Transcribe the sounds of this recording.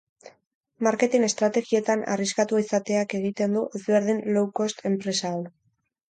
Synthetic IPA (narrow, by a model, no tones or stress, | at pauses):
maɾke̞t̪ine̞st̪ɾat̪e̞ɣie̞t̪ana̰riskat̪uaisat̪e̞ake̞ɣ̞it̪e̞nd̪uʔe̞zβe̞ɾð̞inlowko̞st̪ʰe̞mpɾe̞saw